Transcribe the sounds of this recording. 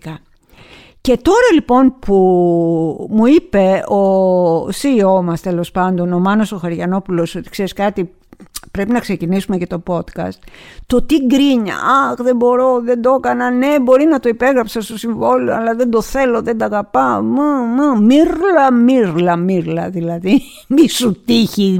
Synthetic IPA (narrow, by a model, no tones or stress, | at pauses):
kɐ | ce̞t̪o̞ɾɐlipo̞npu | muipe̞osio̞mɐst̪elo̞spɐnd̪o̞nomɐnoso̞xɐɾʝɐno̞pulo̞so̞t̪i̥kse̞ɾiskɐt̪i | pɾe̞pinɐkse̞cinisume̞ce̞t̪o̞po̞t̪kɐ̰st̪t̪o̞t̪iɡɾiɲɐ̰ɐxðe̞bo̞ɾo̞ðe̞nd̪o̞kɐnɐne̞bo̞ɾinɐt̪o̞ipe̞ɣɾɐpsɐst̪osiɱvo̞loɐ̰lɐðe̞nd̪o̞θe̞lo̞ðe̞nd̪ɐɣɐpɐmɐmmiɾlɐmiɾlɐmiɾlɐðilɐði | misut̪içi